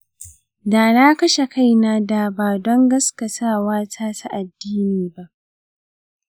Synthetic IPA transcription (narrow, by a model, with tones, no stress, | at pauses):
daː˨na˦kɐ˦ʃe˨ka˦jnaː˦daː˨baː˨dɔ˦ŋɡɐ˦skɐ˨tʰaː˦˨waː˦tʰaː˦tʰa˦ʔa˨dːiː˦niː˨ba˦ʔ